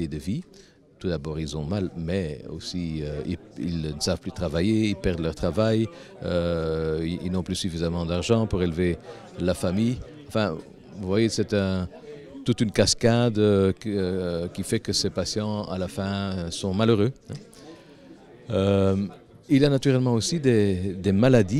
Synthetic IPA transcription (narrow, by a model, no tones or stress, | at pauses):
ed̪əvi | t̪ud̪abɔːʁilzɔ̃malmɛo̰siøḭlḭlnəsav̥plyt̪χavajeilpɛʁd̪əlœʁt̪χavaj | øiilnɔ̃plysyfizamɑ̃d̪aʁʒɑ̃puʁelve | lafamij | ɑ̃fɛ̃ | vuvwajesɛt̪ɛ̃ | t̪ut̪ynkaskad̪ø | kʲifɛkəsepasjɑ̃a̰lafɛ̃øsɔ̃maløʁøɛ̃ | øm | iljanat̪yʁɛlmɑ̃osid̪ed̪emalad̪i